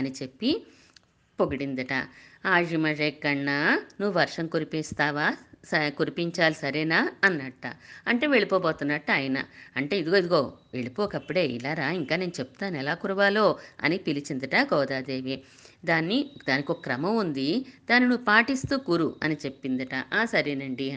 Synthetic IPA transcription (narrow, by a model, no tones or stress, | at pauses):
ɐnit͡ʃe̞pːi | poɡɐɽind̪ɐʈa̰aːʐimɐʐɐːkːɐɳːanuʋuʋɐɾʂɐŋkoɾipist̪aːʋaːkoɾipiɲt͡ʃaːlisɐɾɛːnaːɐnːɐʈːɐ̰ɐɳʈe̞ːʋe̞ɭipɔːboːt̪unːaːʈːɐaːjɐnɐ̰ɐɳʈe̞ːid̪uɡoid̪uɡo̞ːʋe̞ɭipɔːkɐpːuɽe̞ːḭlaːɾaːiŋkaːne̞ːnut͡ʃe̞p̚ːu̥t̪aːnɛlaːkuɾuʋaːlo̞ːɐ̰nipilit͡ʃind̪iʈaːɡɔːd̪aːd̪eːʋi | d̪aːnːid̪aːnikiɔkːɐkɾɐmɐmund̪id̪aːninuʋpaːʈist̪uːkuːɾuɐnit͡ʃe̞pːind̪iʈaʔasɐɾeːnɐɳɖi